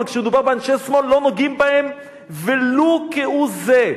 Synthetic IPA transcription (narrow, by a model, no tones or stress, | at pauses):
lkʃemed̪ubaʁbeanʃesmolːonoɡimbahem | velokeʔuze